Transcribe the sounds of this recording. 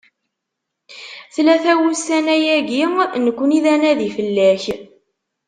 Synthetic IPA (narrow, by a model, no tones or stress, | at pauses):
θlæθæwusænæjæɡinəkʷːəniðænæðifəlːæç